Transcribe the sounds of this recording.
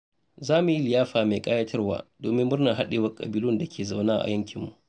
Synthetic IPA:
zaː˦mu˨ji˦lɪ˨jaː˦ɸaː˨meː˨kʼa˦ja˦tʰɐ˦rwa̰ː˦doː˨mɪ˦mːʊ˦rnɐ˨ɦa˦ɗeː˨wɐ˦kʼɐ̰˨bi˦lʊ˦˨nda˨kʲʰeː˨za˦˨wnaː˦ʔa̰˨jɐ˦ŋkʲɪ˨mːu˨ʔ

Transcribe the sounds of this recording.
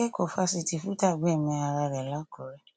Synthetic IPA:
ɛ˦kɔ˨fa˧si˧ti˧fu˦ta˦˨ɡ͡bɛ˦˨mɛ̃˧a˧ɾa˧ɾɛ˨la˨˦kɔ˨ɾɛ˨

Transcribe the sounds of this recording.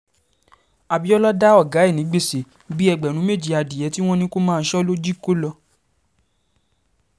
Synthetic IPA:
a˨bi˨˦ɔ˦lɔ˦da˦ɔ˦˨ɡa˨˦e˦˨nĩ˨˦ɡ͡be˦˨se˨ | bi˦ɛ˧ɡ͡bɛ˨ñũ˨˦me˦˨d͡ʒi˨a˧di˨jɛ˨˦ti˦w̃ɔ̃˦nĩ˧ko˦mãː˦˧˦ʃɔ˦lo˦d͡ʒi˦ko˦lɔ˧

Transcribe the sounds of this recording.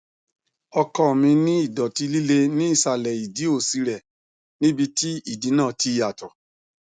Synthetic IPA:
ɔ˧kɔ˦˨mĩ˧nĩ˦i˦˨dɔ˨ti˧li˦le˧nĩ˦i˦˨sa˧˨lɛ˨i˨di˨˦o˦˨si˧ɾɛ˨ | nĩ˦bi˧ti˦i˦˨di˨˦nãː˦˨ti˧˦˧a˨tɔ˨

